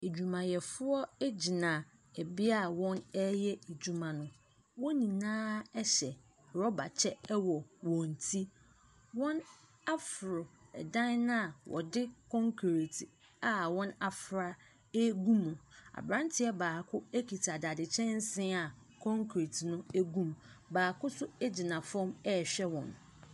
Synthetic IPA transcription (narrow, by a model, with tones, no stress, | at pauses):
e˨d͡ʑu˨mã˨jɛ˨fʊ˦ɔ˦e˦d͡ʑi˨nã˨ | ɛ˨bi˦a˦˨wɔ̃˦nɛ˦jɛ˦e˨d͡ʑu˨mã˨nʊ̃˦ | wɔ̃˦nĩ˨nãː˦ɛ˦ɕɛ˨ | ɾɔ˦ba˨t͡ɕʰɛ˦wɔ˨wɔ̃˨n˨tʰi˦ | wɔ̃˦n | a˦fʊ˨ɾʊ˨ɛ̰˨dã˦n˦nã˦˨wʔɔ̰˨dɪ˦kʰɔ̃˦ŋkʰɾe˨tʰi˨ | a˨wɔ̃˦na˨fɾa˦ | e˦ɡũ˦mʊ̃˨a̰˨bɾã˦n˦tʰɪ˨˦ɛ˦baː˨kʰʊ˦e˦kʰi˨tʰa˨da˨dɪ˨t͡ɕʰɛ̃˦n̩˦sɪ̃˦a˨ | kʰɔ̃˦ŋkʰɾe˨tʰnʊ̃˦æ˦ɡũ˦mbaː˨kʰʊ˦sʊ˦æ˦d͡ʑi˨nã˨fɔ̃˦mɛ˦˨ɕᶣɛ˦wɔ̰̃˨n